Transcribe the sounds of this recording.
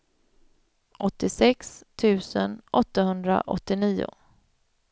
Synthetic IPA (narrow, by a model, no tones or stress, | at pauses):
ʔɔt̪ːɪsɛkst̪ʰʉ̟ːsənʔɔt̪ːahɵnd̪ɾa̰ʔɔ̰t̪ːɪniːʊ̰